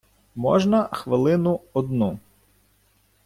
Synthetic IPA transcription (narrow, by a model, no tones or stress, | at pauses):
mɔ̰ʒnɐxʋɪlˠɪnʊɔd̪nu